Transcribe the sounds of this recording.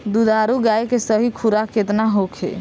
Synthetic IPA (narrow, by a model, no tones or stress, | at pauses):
d̪ud̪ʱaɾuɡajkesəɦikʰuɾaket̪naɦokʰḛ